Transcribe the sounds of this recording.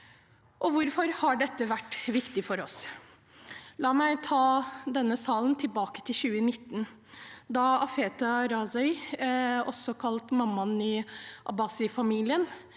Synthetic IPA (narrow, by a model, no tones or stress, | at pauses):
ʔɔʋʊɾfɔɾhɑɖɛt̪ːəʋæʈːʋɪkt̪ɪfɔɾɔs | lɑːmæɪt̪ʰɑːd̪ɛnːəsɑːlnt̪ʰɪlbɑːkə̥t̪ʰɪlɕʉːənɪt̪ːn | d̪ɑɑfeːt̪ɑɾɑːsɛɪ | ɔsːɔkʰɑlt̪mɑmːɑnɪʔɑ̰bɑːsɪfɑmiːlɪən